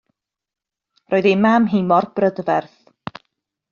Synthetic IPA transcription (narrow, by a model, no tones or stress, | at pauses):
roːɨðemamɦɪmɔrb̥rədvɛrθ